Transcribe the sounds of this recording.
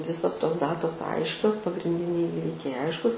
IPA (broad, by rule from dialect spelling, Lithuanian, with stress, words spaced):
ˈʋʲɪsoːs toːs ˈdɑːtoːs ˈɐɪʃʲkʲoːs pɐɡrʲɪnʲˈdʲɪnʲɛɪ ˈiːʋʲɪkʲɛɪ ˈɐɪʃkʊs